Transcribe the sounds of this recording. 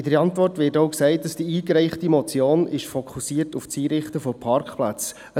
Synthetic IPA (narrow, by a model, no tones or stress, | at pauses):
ɪdəɾɑntʋɔrtʋɪːɾtowksɛɪt̚d̥ɑsd̥iiːkɾɛɪχtimɔt͡sjoːnɪʃfɔkʰusiətuft͡siːɾɪχtəfɔpʰɑɾkχplæt͡s | ə